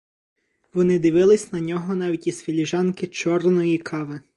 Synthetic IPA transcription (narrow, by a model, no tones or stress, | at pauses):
ʋɔnɪd̪ɪʋɪlˠɪsʲnɐnʲɔɦɔn̪ɑʋʲitʲisfʲɪlʲiʒɑnkɪt͡ʃɔrnɔjikʰɑʋɪ